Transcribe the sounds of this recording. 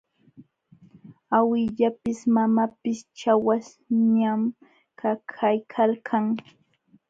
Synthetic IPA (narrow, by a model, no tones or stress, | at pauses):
awɪʎapɪsmamapɪst͡ʃawas | ɲam | kʰakʰajkʰalkʰaŋ